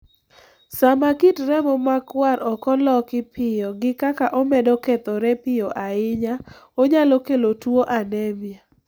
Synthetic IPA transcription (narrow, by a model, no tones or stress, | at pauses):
samakitɾɛmɔmakwaɾʔɔkɔlɔkɪpʰɪjɔɡɪkakaʔɔmɛdɔket̪ɔɾɛpɪjoʔaɪɲaoɲalɔkelotwoʔanɛmja